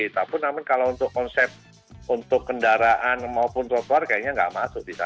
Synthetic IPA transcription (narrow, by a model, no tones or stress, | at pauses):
it̪apʊnːamankalount̪ʊkːɔnsɛp̚ | unt̪ʊkːəndaɾaʔanmaupʊnt̪ɾɔt̪oarkajaʔɲaŋɡa̰ʔmasʊk̚disa̰